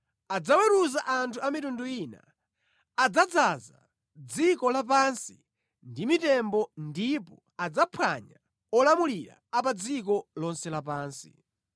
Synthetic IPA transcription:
ad͡zawɛɾuzaʔantʰuamitunduina̰ː | d͡zad͡zaza̰ | d͡zikɔlap̬ansi | ndimitɛmbɔndipɔ | ad͡zapʰwa̰ɲa | ɔlamuliɾa̰ːp̬ad͡zik̬ɔlɔnsɛlapaːnsḭ

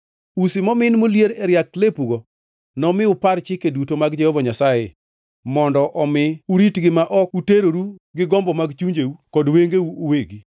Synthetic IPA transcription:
usimɔmɪnmoljeɾeɾjaklepuɡɔ | nɔmɪʊpaɾt͡ʃɪkedutomaɡd͡ʒɛhovɔɲasaje | mɔndɔʔɔmɪuɾitɡɪmaʔɔkuteɾoɾuɡɪɡɔmbɔmaɡt͡ʃuɲd͡ʒeukɔdweŋɡeuoweɡi

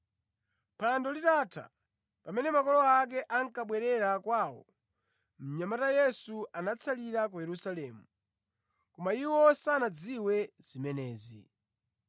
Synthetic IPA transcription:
pʰandɔlitaːtʰa̰ | pamɛnɛmakɔlɔak̬ɛʔaŋkaɓwɛɾɛɾakwaːwɔ̰ | m̩ɲamatajɛsuanat͡sʰaliɾakujɛɾusalɛːmu | kɔmaiwɔsanad͡ziwɛzimɛnɛːzḭ

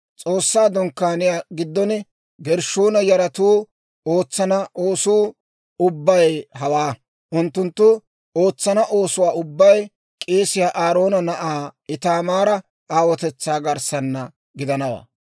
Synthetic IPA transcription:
t͡sʼo̞ːsːaːd̪ɔŋkːaːnɪjaːɡɪd̪ːɔn | ɡɛɾʃoːnɐjɐɾɐt̪uː | o̞ːt͡sːɐnɐʔoːsuː | ʊbːɐjɦɐwaː | ʔʊnt̪ːʊnt̪ːʊ | o̞ːt͡sːɐnɐʔo̞ːsʊwaːʊbːɐj | kʼeːsɪjaːʔaːɾo̞ːnɐnɐʔaːɪt̪aːmaːɾɐ | aːwɔt̪ɛt͡sːaːɡɐɾsɐnːɐ | ɡɪd̪ɐnɐwa̰ː

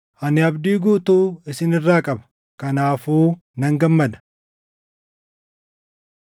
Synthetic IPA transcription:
hɐnɪɐbd̪iːɡuːt̪uːɪsɪnɪrːaːkʼɐbɐ̥ | kɐnaːfuː | nɐŋɡɐmːɐd̪ɐ̥

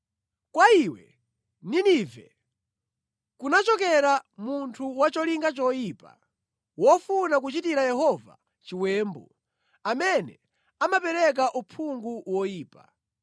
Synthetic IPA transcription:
kwaiwɛ̰ | ninivɛ̰ | kunat͡ʃɔkɛɾamuntʰuwat͡ʃɔliŋɡat͡ʃɔjiːpa̰ | wɔfunak̬ut͡ʃitiɾajɛɦɔva̰ | t͡ʃiwɛːmbɔ | amɛnɛ | amapɛɾɛk̬aʔupʰuŋɡuwɔjiːpa

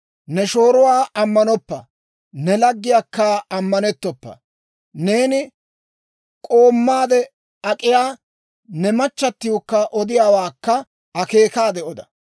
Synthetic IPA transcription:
nɛʃo̞ːɾʊwaːʔɐmːɐnɔpːɐ | nɛlɐɡːɪjakːaːɐmːɐnɛt̪ːɔpːɐ̰ | ne̞ːnɪ | kʼoːmːaːd̪ɛ | ɐkʼɪjaː | nɛmɐt͡ʃːɐt̪ːɪjɔkːɐʔɔd̪ɪjaːwaːkːɐ | ɐke̞ːkaːd̪ɛɔd̪ɐ

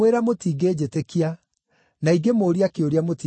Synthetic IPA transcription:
eɾamotiːɡed͡ʑetekia | naiɡemoːɾiakeoɾiamoti

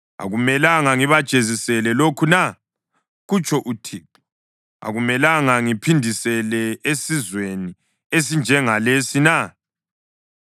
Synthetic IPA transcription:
a̰ɣumɛlaŋaŋiβad̥t͡ʃʼezisɛlɛlokʰuna | ɣut͡ʃʰʼɔʔutʰip | a̰ɣumɛlaŋaŋipʰindʱisɛlɛesizweni | es̬ind͡ʒʱɛŋalesina

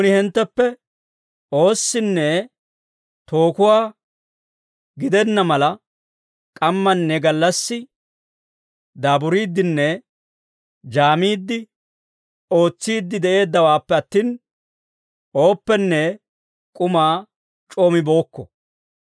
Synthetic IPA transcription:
ʊnɪhɛnt̪ːɛpːɛ | o̞ːsːɪnːɛ | t̪o̞ːkʊwaː | ɡɪd̪ɛnːɐmɐlɐ | kʼɐmːɐnːɛɡɐlːɐsːɪ | d̪aːbʊɾiːd̪ːɪnːɛ | d͡ʒaːmiːd̪ːɪ | o̞ːt͡sːiːd̪ːɪd̪ɛʔe̞ːd̪ːɐwaːpːɛɐt̪ːiːn | o̞ːpːɛnːɛ | kʼʊmaː | t͡ʃʼoːmɪbo̞ːkːɔ

